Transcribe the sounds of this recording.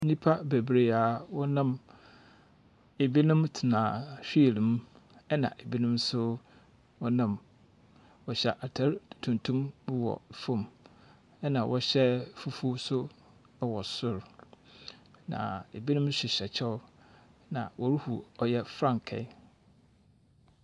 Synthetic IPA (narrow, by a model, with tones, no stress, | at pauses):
n̩˦nĩ˦pʰa˦be˨bɾe˨a˨wɔ˦nã˦˨m | e˨bi˦nʊ̃˦mtʰɪ˨nãː˨ɕᶣi˦e˨li˨m˦ | ɛ˦nã̰˨ʔe˨bi˦nʊ̃˦msʊ˦ | wɔ˦nã˨m | wɔ˨ɕɛ˨ʔa˨tʰa˦ɾtʰũ˨ntʰũ˦mbʊ˦wɔ̰˨fõ˦m | ɛ˦nã˨wʔɔ˦ɕɛ˦fu˦fu˦sʊ˦ | wɔ˨sʊ˦ɾ | nã̰˨e˨bi˦nʊ̃˦mɕᶣɪ˨ɕɛ˨t͡ɕʰɛ˦ʊ˦ | nã̰˨wʔɔ˨ɾu˦hu˨ɔ˨jɛ˦fɾã˦ŋkʰɛ̰˨˦